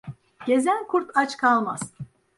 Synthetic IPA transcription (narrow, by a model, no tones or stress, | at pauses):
ɟ̥e̞zænʲkʰuɾt̪ʰat͡ʃkʰalˠmaz̥